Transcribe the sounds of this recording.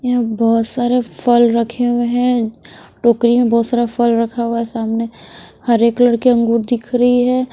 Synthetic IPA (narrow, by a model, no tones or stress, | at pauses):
jabɔːt̪saːɾefʰəlɾɐkʰeeɦɛ̃ | ʈoːkɾimẽbɔːt̪saːɾafʰəlɾɐkʰawaɦɛsaːmnehəɾeːkləɽkeɐ̃ŋɡuːɾd̪ɪkʰɾɐɦiɦɛː